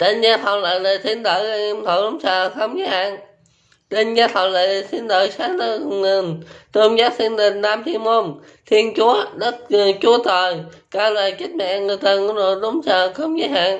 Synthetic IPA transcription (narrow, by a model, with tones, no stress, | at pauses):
t͡ɕe˧nzaː˧t̪ʰə˨˩wŋ͡mla̰ː˧˨jlə˨˩jt̪ʰi˧ənɗəː˧˩jmt̪ʰo˧˨˩ɗʊ˨˦ŋ͡msəː˨˩xə˧wŋ͡mɲə˨˦ha̰ː˧˨n | t͡ɕe˧˩nzaː˧t̪ʰə˨˩wlə̰ː˧˨˩t̪ʰi˧ənɗ̪əː˨˩jsaː˨˦nə˧˨ə˨˩nt̪ə˧ŋ͡mzaː˦˥p̚t̪ʰi˧ənɗ̪i˨˩ŋ̟naː˧mhi˧əmo˧n | t̪ʰi˧ənt͡ɕu˨˦əɗə˦˥t̚t͡ɕu˨˦ət̪əː˨˩j | kaː˧˩ləː˨˩jt͡ɕi˦˥t̚ma̰˧˨ʔŋɨ˨˩əjt̪ə˧˩ŋkno˧˨˦ɗʊ˨˦ŋ͡msəː˨˩xə˧wŋ͡mɲə˨˦ɦa̰ː˧˨n